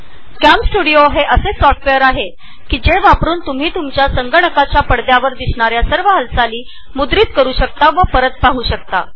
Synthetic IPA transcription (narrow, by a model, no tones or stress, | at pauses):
kæmsʈuɽijoɦeʔəsesɔfʈʋejəɾaɦe | kiːd͡ʑeʋapɾuːnt̪um̤iːt̪umt͡ɕjasəŋɡəɳəkat͡ɕjapəɽd̪jaʋəɾd̪isɳaɾjasəɾʋəɦəlsaliː | mud̪ɾiːt̪kəɾuːɕək̚t̪aʋəpəɾət̪̚paɦuːɕəkt̪a̰